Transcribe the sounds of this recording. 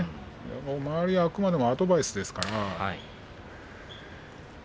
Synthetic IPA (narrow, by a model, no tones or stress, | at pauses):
ja̰momaaɾʲiaːkɯ̟mad̪e̞mo̞ad̪o̞baisɨd̪e̞sɨ̥kaɾaai